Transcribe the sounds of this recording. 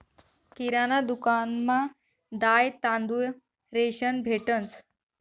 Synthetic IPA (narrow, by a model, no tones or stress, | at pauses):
kiɾanad̪ukanma | d̪ajt̪ãnd̪u | ɾeɕənbʱeʈənt͡s